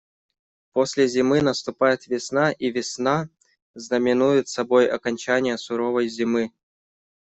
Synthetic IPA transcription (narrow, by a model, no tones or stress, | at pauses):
posʲlʲɪzʲɪmɨnəst̪ʊpajɪt̪vʲɪsnaʔivʲɪsna | znəmʲɪnujɪt̪sɐbo̞jɐ̰kɐnʲt͡ɕanʲɪjəsʊɾovəjzʲɪmɨ